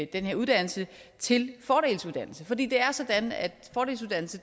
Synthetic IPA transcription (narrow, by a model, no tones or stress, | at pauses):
d̥enheɐ̰uð̞̥ˠæn̰l̩sət͡sʰe̝lfɒːɾ̥e̝̰ːlsuð̞ˠd̥æn̰l̩səfɒ̽d̥ḭːd̥e̝æɐsɒ̽d̥ænæd̥fɒːɾ̥e̝ːlsuðˠdæn̰l̩sə